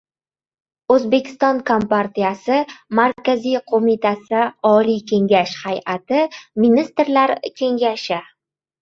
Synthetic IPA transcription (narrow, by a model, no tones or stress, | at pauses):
ɵzbe̞kʲɪ̥st̪ɒnkʰompaɾt̪ijasɪmaɾkʲazijqʰomit̪ʰasɪɒlijkʲʰe̞ŋɡʲaʃhajʔat̪ɪminist̪ɾlaɾkʲʰe̞ŋɡʲaʃɪ